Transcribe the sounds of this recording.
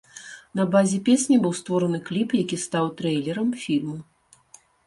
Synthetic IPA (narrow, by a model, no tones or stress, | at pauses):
nɐbazʲɛpʲesʲnʲɐbɨwst̪vɔɾɐnɨklʲipjakʲist̪awt̪ɾɛjlʲɛɾɐmfʲilʲmu